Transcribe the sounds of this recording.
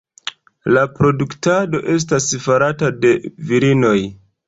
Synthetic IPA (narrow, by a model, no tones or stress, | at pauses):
lapɾo̞duktado̞ʔe̞s̬tasfaɾatade̞viɾino̞j